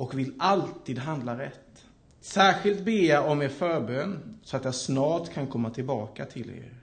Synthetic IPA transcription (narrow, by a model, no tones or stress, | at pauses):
ʔɔkvɪlalt̪iːd̪ɦand̪laɾɛt̪ː | sæːɾɧɪlt̪̚beːjɑɔmeːɾfœːɾbøːnsɔat̪jɑsnɑːt̪kʰankʰɔmːat̪ʰɪlbɑːkat̪ʰɪlḛːɾ